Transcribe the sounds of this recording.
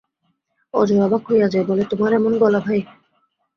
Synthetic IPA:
ɔ̰d͡ʑojabakʰojad͡ʑaebolet̪omaɾɛmonbɔlabʱaj

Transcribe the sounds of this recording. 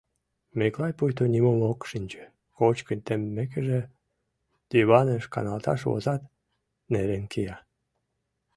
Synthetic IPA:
meklɑjpujt̪onʲimomokʃinʲt͡ɕe̥ | kot͡ɕkənʲt̪emːek̬eʒĕ | t̪yβɑneʃkɑ̰nɑlt̪ɑ̰ʃβo̰zɑt̪ | neɾenkijɑ

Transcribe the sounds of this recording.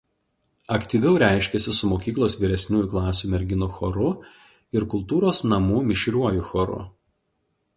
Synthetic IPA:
ɐkt̪ʲiːʋʲɛʊɾʲæˑɪʃʲkʲɛsʲɪsʊmoːkʲiːklˠoːsʋʲiːɾʲɛsʲnʲuːjuˑklˠɑːsʲuːmʲɛɾʲɡʲɪnoxɔɾʊ | ɪɾkʊlˠt̪uːɾoːsnɐmuːmʲɪʃʲɾʲuɔjuxɔɾʊ̰

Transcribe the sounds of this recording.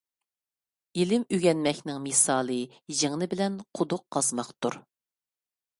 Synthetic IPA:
ilɪmyɡʲɛnmɛkʲnɪŋmisɑːlˠɨ | ʒeŋnɪbɪlɛnqʰʊd̪ʊqːɑzmɑqt̪uɾ

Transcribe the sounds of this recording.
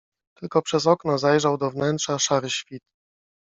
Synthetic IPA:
t̪ɘlkɔpʂɛzɔknɔzajʐawd̪ɔvnɛnt̪ʂaʂaɾɘɕfʲit̪

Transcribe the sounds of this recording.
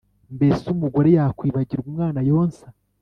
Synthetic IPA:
mbesumuɡo̞ɾe̞jakwiːβaɟiɾɡumŋaːnajo̞ːnsḁ

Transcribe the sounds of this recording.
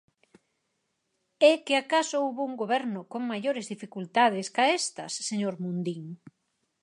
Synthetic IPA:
ɛkɪakasouβouŋɡoβɛɾnʊkoŋmaʎoɾɪzðifikult̪að̞ɪskaest̪ɐsːeɲoɾmund̪iŋ

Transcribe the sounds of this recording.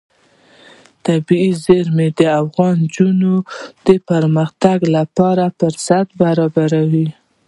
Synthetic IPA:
t̪abiizeɾmed̪əafɣɑnd͡ʒunod̪̥əpəɾmaxt̪aɡlapɑɾapəɾsat̪baɾɑbaɾawi

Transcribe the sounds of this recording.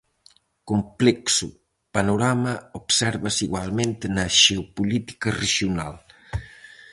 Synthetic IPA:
kumplɛksu | panuɾaməupsɛɾβəsiɣwalˠment̪nəʒeupulit̪i̥kəreʒiuna̰lˠ

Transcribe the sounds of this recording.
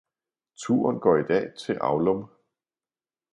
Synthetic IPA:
t͡sʰuɐnɡ̥ɒ̰ːid̥ɛ̰ːt͡sʰe̝ʔɑ̈ʊlɔm

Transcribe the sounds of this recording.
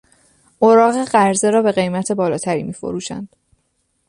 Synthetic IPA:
ʔoɾɒːɣe̞ɢæɾze̞ɾɒːbe̞ɣe̞jmæt̪ʰe̞bɒːlɒːt̪ʰæɾḭːmiːfo̞̰ɾuːʃæ̰nd̪̥

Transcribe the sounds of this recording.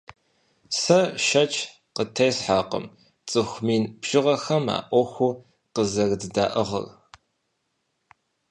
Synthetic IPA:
sɐʃɐt͡ʃʰʼ | qətʰɐːsħaːqə̰m | t͡sʼɨxʷmiːnb̥ʒ̥ɪʁɐxɐma̰ːʔʷɔxʷu | qəzɐrdɨdaːʔəʁɐ̰r

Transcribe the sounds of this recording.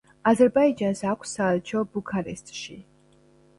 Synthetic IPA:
azɛɾbaid͡ʒansakʷʰsaɛlt͡ʃʰɔbukʰaɾɛ̰st̪ʼʃḭ

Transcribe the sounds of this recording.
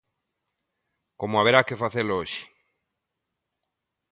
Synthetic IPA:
komoaβeɾakefaθelooʃi̥

